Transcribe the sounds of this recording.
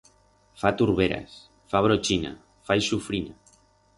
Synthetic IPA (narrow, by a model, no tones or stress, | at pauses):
fat̪uɾβeɾa̰s | faβ̞ɾot͡ʃina̰ | fajsufɾina